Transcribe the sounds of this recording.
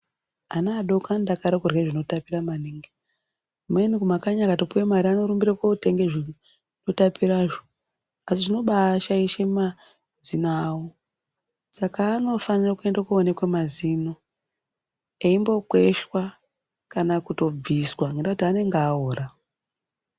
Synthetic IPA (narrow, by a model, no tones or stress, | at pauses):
anaːɗo̞kandakaɾekurweʐino̞tapiramaniŋɡi | menikumakaɲakato̞puwemaɾiano̞ɾumbiɾakote̞ŋɡeʐi | no̞tapiɾaʐo | asiʐino̞ɓaʃaiʃema | zinawo | sakaːno̞fanirakue̞ndakuone̞kwemazino̞ | eimbo̞kwe̞ʃwa | kanakuto̞b͡viswaŋɡendautiane̞ŋɡaoːrʔa